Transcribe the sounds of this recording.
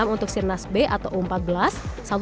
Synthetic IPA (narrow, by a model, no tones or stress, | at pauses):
amunt̪ʊk̚sirnasbeʔat̪awumpat̪̚bəlasː | at̪